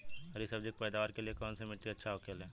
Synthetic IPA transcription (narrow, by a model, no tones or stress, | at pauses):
ɐɾisɐbd͡ʒekʈ̚pɛːd̪aːʋaːɾkeliekɔːnsemɪʈiɐtːʃʰaokeːlɦɛ̃ː